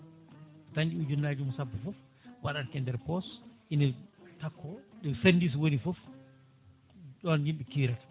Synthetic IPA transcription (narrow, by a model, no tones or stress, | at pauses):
taɲd͡ʒid͡ʒunːaːd͡ʒumɔsabːafɔf | waɗankɛndɛɾpɔsʔinɛtakʰːɔɗɛsendis̬wonifɔf | ɗɔnhimɓɛkiɾat